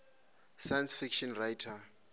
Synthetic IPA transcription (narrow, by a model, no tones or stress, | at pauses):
sajansfikʃɔnrajtʰa